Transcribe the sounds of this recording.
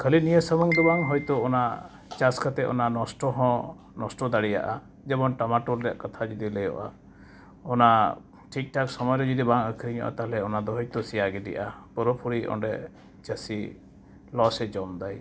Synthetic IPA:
kʰəlinijəsəmɔŋd̪ɔbaŋɦɔjt̪ɔɔna | t͡ʃaskʰət̪ɛʔɔ̰nanɔsʈɔɦɔ̃ | nɔsʈɔd̪aɽija̰ʔa | d͡ʒɛbɔnʈamaʈuɾɾɛja̰ʔkat̪ʰad͡ʒɔd̪ilɛjɔ̰ʔa̰ | ɔna | ʈʰik̚ʈaksɔmɔjɾɔd͡ʒɔd̪ibaŋəkʰɾiɲɔ̰ʔa̰t̪aɦlɛɔnad̪ɔɦɔjt̪ɔsijaɡiɖḭjʔapɔɾɔpʰuɾiʔɔ̰ɳɖɛ | t͡ʃəsi | lɔsɛd͡ʒɔmd̪aj

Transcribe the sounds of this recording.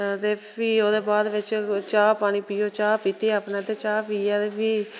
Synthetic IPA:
d̪eː | iːoːd̪eːbaːd̪ʋɪt͡ʃt͡ʃaːpaːɽ̃iːpiːoːt͡ʃaːpiːt̪eːapnãːd̪eːt͡ʃaːpiːaːd̪eːpiː

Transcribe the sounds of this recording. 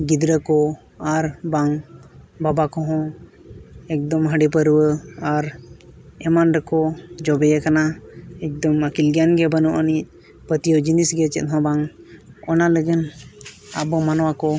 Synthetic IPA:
ɡid̪ɾəkɔ | aɾbaŋbabakɔɦɔ̃ | ɛk̚d̪ɔmɦəɖipəɾuwəaɾ | ɛmanɾəkɔd͡ʒɔbɛjəkanaɛk̚d̪ɔməkilɡjanɡɛbənuʔənic̚ | pət̪ijɔd͡ʒinisɡɛt͡ʃɛt̪̚ɦɔ̃baŋ | ɔnaləɡən | a̰bɔmanwakɔ

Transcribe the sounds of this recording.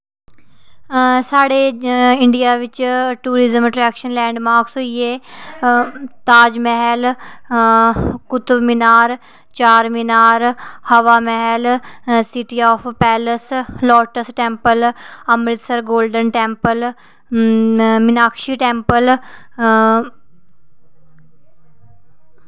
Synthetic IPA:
saːɽeːɪɳɖijaːʋɪt͡ʃʈuːɾɪzəməʈɾɛːkʃənlɛ̃ːɳɖmaːɾksɦoieː | t̪aːd͡ʒmɛɦɛl | kʊt̪ʋmɪnaːɾ | t͡ʃaːɾmɪnaːɾhɐʋaːmɛɦɛlsɪʈiɔːpʰpɛːləslɔːʈəsʈɛ̃ːmpəlɐmɾɪt̪səɾɡoːlɖənʈɛ̃ːmpəl | mɪnaːkʃiːʈɛ̃ːmpəl

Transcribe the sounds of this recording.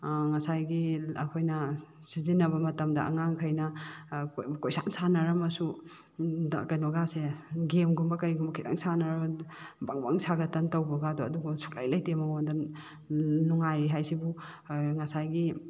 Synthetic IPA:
ŋɐsajɡiɐkʰojnɐ | sizinːɐbɐmɐtɐmdɐʔɐ̰ŋaŋkʰɐjnɐ | kojsaŋsʰanɐɾɐmɐsu | da̰kɐjnɔɡaseɡemɡumbɐkɐjɡumbɐkʰita̰ŋsanɐɾabaŋba̰ŋsaɡɐtɐntɐwbɐɡadɔɐduɡusu̥k̚la̰jlajtemɐŋonda | nuŋajɾiɦajsibu | ŋɐsajɡi

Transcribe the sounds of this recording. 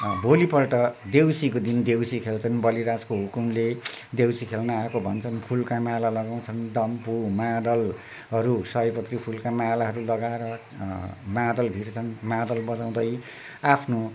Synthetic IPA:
bʱolipʌrʈʌd̪ewsikod̪ind̪ewsikʰelt͡sʰʌnbʌliɾaskoɦukumled̪ewsikʰelnʌakobʱʌnt͡sʰʌnpʰulkamalalʌɡaw̃t͡sʰʌnɖʌmpumad̪ʌl | ɦʌɾusʌjpʌt̪ripʰulkamalaɦʌɾulʌɡaeɾʌ | mãd̪ʌlbʱiɾt͡sʰʌnmad̪ʌlbʌd͡zaw̃d̪ʌj | apʰno

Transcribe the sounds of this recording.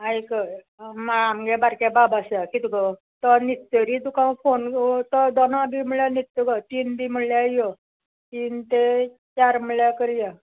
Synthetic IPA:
ajkə | maamɡɛbaɾkababasjakit̪ukə | t̪ɔnit̪t̪əɾit̪ukãfont̪ɔd̪onabim̤əɽjanit̪t̪əkɔt̪iːnbiməɽɭljaajjɔ | t̪iːnt̪e | t͡ɕaɾməljakəɾija

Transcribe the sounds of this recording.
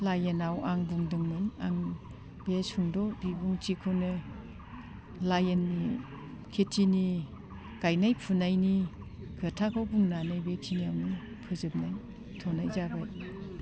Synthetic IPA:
lajenawaŋbuŋdɯŋmɯnaŋ | besuŋdɔbibuŋt͡ʃikʰɯwnɯ | lajenːi | kʰetʰini | kajnajpʰunajni | kʰɯtʰakʰɯwbuŋnanɯjbeksʰiniawnɯ | pʰɯzɯp̚naj | tʰɔnajzabaj

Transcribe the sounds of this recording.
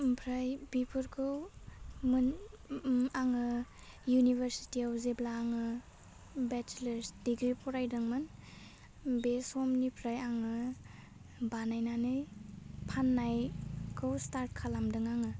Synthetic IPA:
pʰɾajbipʰɯɾkʰɯwmɯn | aŋɯ | junibʱeɾsi̥tiawzeblaːŋɯ | bɛt͡ʃleɾsdiɡɾipʰɔɾajdɯŋmɯn | besɔmnipʰɾajaŋɯ | banajnanɯjpʰanːajkʰɯwstaɾt̚kʰalamdɯŋaŋɯ

